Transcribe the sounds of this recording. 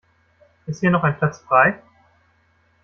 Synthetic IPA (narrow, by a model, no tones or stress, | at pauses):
ʔɪsthiːɐnɔχaɪnpʰlat͡sfʁ̥aɪ